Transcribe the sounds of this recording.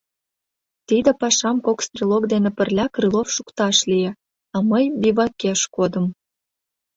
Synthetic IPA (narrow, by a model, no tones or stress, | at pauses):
t̪id̪ĕpɑʃɑmkokst̪rʲilˠoɡd̪enĕpə̆rlʲɑkrɨlˠofʃukt̪ɑʃlije | ɑməjbʲiβɑkeʃkod̪əm